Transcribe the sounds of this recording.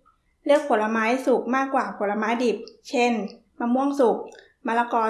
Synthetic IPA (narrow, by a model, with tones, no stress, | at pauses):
lɯ˥˩ək̚pʰo˨˦t̚la˧maː˦˥jsu˨˩k̚maː˥˩kːwaː˨˩pʰo˩˦t̚la˧maː˦˥jdi˨˩p̚t͡ɕʰe˥˩n | maː˧mu˥˩əŋsu˨˩k̚ | maː˧la˧kɔː˧